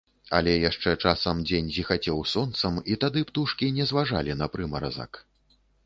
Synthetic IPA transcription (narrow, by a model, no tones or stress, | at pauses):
ɐ̰lʲɛjaʂt͡ʂɛt͡ʂasɐmd͡zʲenʲzʲixat͡sʲɛwsɔnt̪sɐmit̪ad̪ɨpt̪uʂkʲinʲɛzvaʐa̰lʲinɐpɾɨmɐɾa̰za̰k